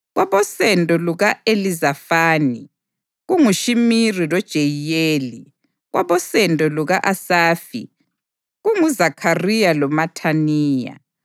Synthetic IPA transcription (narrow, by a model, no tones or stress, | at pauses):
ɣwʔaβɔsɛntʼɔluɣaelizafaːni | ɣuŋuʃimirilɔd̥ʒ̥ʱejjeːli | ɣwaβɔsɛntʼɔluɣaʔasaːfḭ | ɣuŋuzakʰarijalɔmatʰaniːja̰